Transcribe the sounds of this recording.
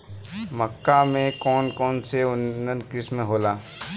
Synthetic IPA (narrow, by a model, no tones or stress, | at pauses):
məkːamẽkɔːnkɔːnseʊnnːə̃nd̪kɾɪsmẽɦoːlaː